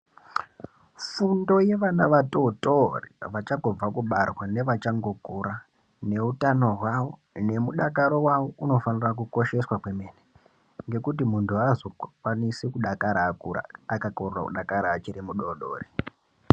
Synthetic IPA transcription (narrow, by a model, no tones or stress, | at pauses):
fundo̞je̞ʋanaʋato̞torḭʋat͡ʃaŋɡob͡vakuɓarwane̞ʋat͡ʃaŋɡo̞ɡʱuɾa | ne̞utano̞ɦwawo̞ | ne̞muɗakaɾo̞wawo̞ʔuno̞fanirak̬uko̞ʃe̞swakwe̞me̞ːne | ŋɡe̞kutimuntʰuazo̞kwanisikuɗakaɾaːkuɾa̰akakorura̰kṵɗakaɾaːt͡ʃiɾimuɗoɗo̰ːri